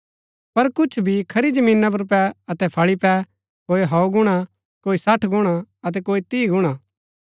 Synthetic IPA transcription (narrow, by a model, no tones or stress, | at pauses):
pɐɾkʊt͡ʃʰbʱikʰɐɾid͡ʒəmĩːnːap̬ɐɾp̬ɛɐt̪ɛpʰɐɭipɛ | koːiɦɔɡʊɽ̃a | koːisɐʈʰɡʊɽ̃aɐt̪̬ɛkoːit̪iːɡʊɽ̃a